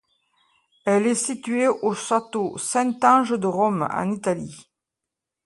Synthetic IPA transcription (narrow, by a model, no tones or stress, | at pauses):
ɛlɛsit̪ɥeʔoʃat̪osɛ̃nt̪ɑ̃ʒəd̪əʁɔmɑ̰̃nit̪ali